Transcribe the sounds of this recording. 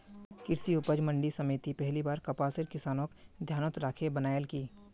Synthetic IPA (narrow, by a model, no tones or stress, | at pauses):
kɪɾsiʊpəd͡ʒmə̃ɳɖisɐmeːt̪ipɛɦlibaːɾkɐpaːsɪɾkɪsaːnõkd̪ʱjaːnət̪ɾaːkʰebənaːjəlkiː